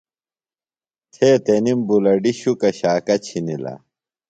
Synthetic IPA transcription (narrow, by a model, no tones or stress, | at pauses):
t̪ʰeːt̪enimbulɐɖiɕukɐɕaːkɐt͡ɕʰinilɐ̰